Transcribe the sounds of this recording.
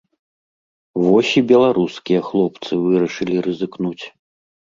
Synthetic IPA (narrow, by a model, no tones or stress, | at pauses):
vɔsʲibʲɛlˠaɾuskʲijɐxlˠɔpt̪sɨvɨɾɐʂɨlʲiɾɨzɨknut͡sʲ